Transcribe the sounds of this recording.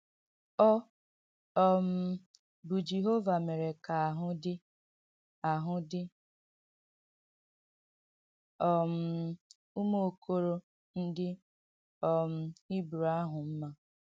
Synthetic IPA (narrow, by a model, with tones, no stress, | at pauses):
ɔ˦ | ɔ˦m̩˨˦ | bʊ˨d͡ʒe˨ɦo˦va˨me˨ɾe˨ka˨a˨ɦʊ˦dɪ˦ | a˨ɦʊ˦dɪ˦ | ɔ˨m̩˦ | u˦mo˦o˨kʰo˦ɾo˦ | n̩˦dɪ˦ | ɔ˨m̩˨i˦bu˨ɾa˦ɦʊ˨m̩˦ma˦